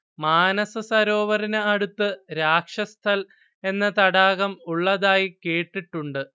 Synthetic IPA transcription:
maːnɐsɐsɐɾo̞ːʋɐɾinɨɐɽut̪ːɨɾaːkʂɐst̪ʰɐl | e̞nːɐt̪ɐɽaːɣɐmuɭːɐðaːjike̞ːʈːiʈːuɳɖɨ

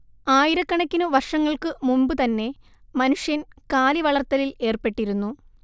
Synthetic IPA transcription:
aːjiɾɐkːɐɳɐkʲːinuʋɐrʂɐŋːɐɭkɨmumbɨt̪ɐnːe̞ | mɐnuʂjɐnkaːliʋɐɭɐrt̪ːɐlile̞ːrpe̞ʈːiɾunːu

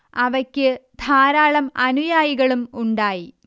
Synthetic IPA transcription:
ɐʋɐkʲːɨd̪ʱaːɾaːɭɐmɐnujaːjiɣɐɭumuɳɖaːji

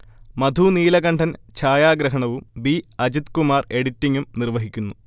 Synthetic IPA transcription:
mɐd̪ʱuniːlɐɣɐɳɖʰʱɐnt͡ɕʰaːjaːɡɾɐɦɐɳɐʋumbiɐd͡ʑit̪kumaːre̞ɽitːiŋɡumnirʋɐɦikʲːunːu

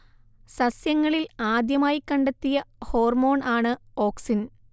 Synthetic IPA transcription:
sɐsjɐŋːɐɭilaːd̪jɐmaːjikːɐɳɖet̪ːijɐho̞ːrmo̞ːɳaːɳɨo̞ːksin

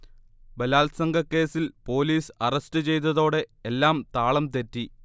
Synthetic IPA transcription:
bɐlaːlsɐŋɡɐkːe̞ːsilpo̞ːliːsɐrɐstɨt͡ɕe̞jt̪̬ɐðo̞ːɽe̞ːlːaːmt̪aːɭɐmt̪e̞tːi

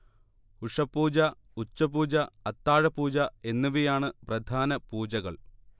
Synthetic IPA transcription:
uʂɐpːuːd͡ʑɐ | ut͡ɕːɐpuːd͡ʑɐɐt̪ːaːɻɐpuːd͡ʑɐe̞nːuʋijaːɳɨprɐd̪ʱaːnɐpuːd͡ʑɐɣɐɭ

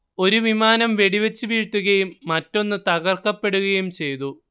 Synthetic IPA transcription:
o̞ɾuʋimaːnɐmʋe̞ɽiʋɐt͡ɕːɨʋiːʈːuɣɐjumːɐtːo̞nːɨt̪ɐɣɐrkːɐpːe̞ɽuɣɐjumt͡ɕe̞jt̪u

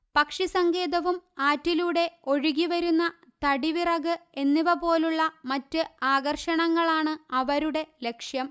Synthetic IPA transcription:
pɐkʂisɐŋɡe̞ːðɐʋumaːtːiluːɽe̞o̞ɻuɣiʋɐɾunːɐ | t̪ɐɽiʋirɐɣɨe̞nːiʋɐpo̞ːluɭːɐmɐtːɨaːɡɐrʂɐɳɐŋːɐɭaːɳɨɐʋɐɾuɽe̞le̞kʂjɐm

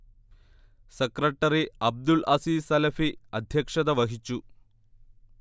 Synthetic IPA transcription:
sekrɐʈːɐriɐb̚d̪ulʔɐsisɐlɐfiɐd̪ʱjɐkʂɐðɐʋɐɦit͡ɕːu

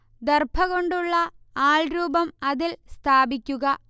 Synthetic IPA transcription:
d̪erbʰʱɐɣo̞ɳɖuɭːɐ | aːɭɾuːbɐmɐðilst̪ʰaːbikʲːuɣɐ

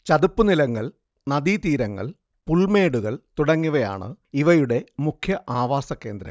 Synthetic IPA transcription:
t͡ɕɐd̪upːɨnilɐŋːɐɭ | nɐd̪it̪iːɾɐŋːɐ̰ɭ | puɭme̞ːɽuɣɐɭt̪uɽɐŋːuʋɐja̰ːɳɨ̰iʋɐjuɽe̞mukʰjɐʔaːʋaːsɐkːe̞ːnd̪ɾɐ̰m

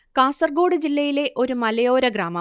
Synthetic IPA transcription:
kaːsɐrɡoːɽɨd͡ʑilːɐjile̞ʔo̞ɾumɐlɐjo̞ːɾɐɡraːmɐ

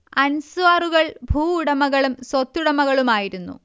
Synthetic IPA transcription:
ɐnsʋaːruɣɐɭbʱuːɽɐmɐɣɐɭumsot̪ːuɽɐmɐɣɐɭumaːjiɾunːṵ

